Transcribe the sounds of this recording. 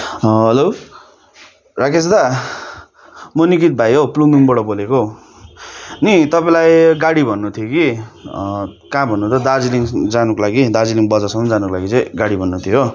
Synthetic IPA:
ɦʌlo | rakesd̪a | monikit̪̚bʱajɦopluŋiŋbʌɽʌboleko | nit̪ʌpãlajɡaɽibʱʌnːut̪ʰijoki | kãbʱʌnːut̪ʌd̪ad͡ziliŋd͡zanukolaɡid̪ad͡ziliŋbʌd͡zasʌ̃mʌnd͡zanukolaɡit͡sʌ̃jɡaɽibʱʌnːut̪ʰijo

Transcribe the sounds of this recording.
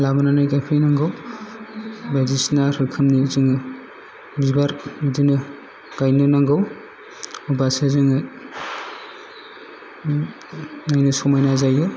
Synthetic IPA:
labananajɡapʰejnaŋɡɯw | badisnaɾhɯkʰɯmnizɯŋɯ | bibaɾidinɯ | ɡ̥ajnɯnaŋɡaw | ɔbasɯzɯŋɯ | najnɯsɔmajnazajɯ

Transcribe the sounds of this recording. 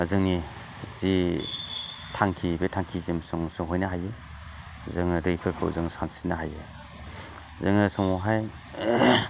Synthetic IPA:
zɯŋni | zi | tʰaŋkʰibetʰaŋkʰizimsɯŋsɯŋɦɔjnaɦaje | zɯŋɾɯjpʰɯɾkʰɯ̰wzɯŋsansinaɦaje | zɯŋnɯsɯŋɔɦaj

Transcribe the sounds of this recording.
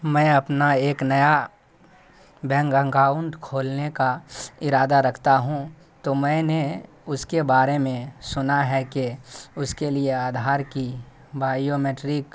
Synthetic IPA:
mɛ̃ɐpnaeːknɐja | bɛ̃ːŋɡə̃ŋɡaːʊɳɖkʰoːlnekaɪɾaːd̪aɾɐkʰt̪aɦũ | t̪omɛ̃ːne | ʊskebaːɾemẽsʊnaɦɛkeʊskelieaːd̪ʱaːɾki | baːijomeʈɾik

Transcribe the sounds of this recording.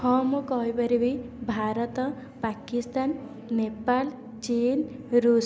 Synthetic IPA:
hɔmukɔɦɔjpaɾibibʱaɾɔt̪ɔ | pakist̪an | nepal | t͡ʃinɾus

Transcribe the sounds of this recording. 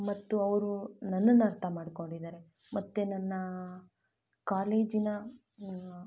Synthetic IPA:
mɐt̪ːuɐʋɾunɐnːɐnːɐɐːɾt̪ʰɐmaːɽko̞ɳɖid̪aːɾe̞ | mɐt̪ːenɐnːɐ | kaːle̞ːd͡ʒinɐ

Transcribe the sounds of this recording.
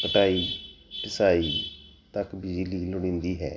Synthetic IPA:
pəʈaːiːʈɪsaːiː | t̪əkbɪzliːlʊɽɪ̃ːnd̪iːɦɛ̰ː

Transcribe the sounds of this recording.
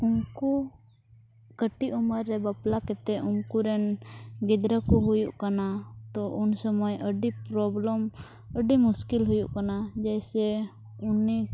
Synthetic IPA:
unku | kəʈiʔumaɾːɛbaplakɛt̪ɛʔunkuɾɛnɡid̪ɾəkuɦujuʔkanat̪ɔʔunsəmɔjəɖipɾɔbləm | əɖimuskilɦujuʔkanad͡ʒɛjsɛ | uni

